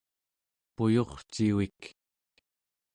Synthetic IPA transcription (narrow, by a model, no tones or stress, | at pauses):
pujo̞χt͡ʃiwik